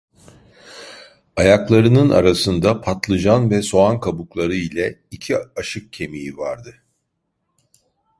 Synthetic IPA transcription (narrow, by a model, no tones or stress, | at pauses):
ajaklˠaɾɯnɯna̰ɾasɯnd̪apʰat̪lˠɯd͡ʒanvɛso̞ankʰabuklˠaɾɯilʲɛicʰiaʃɯk̚cʰe̞mijivaɾd̪ɯ